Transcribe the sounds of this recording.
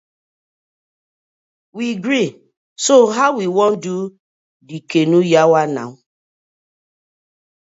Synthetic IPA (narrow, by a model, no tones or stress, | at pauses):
wiɡɾi | soɦaʊwiwɔ̃ndu | dikenujawana̰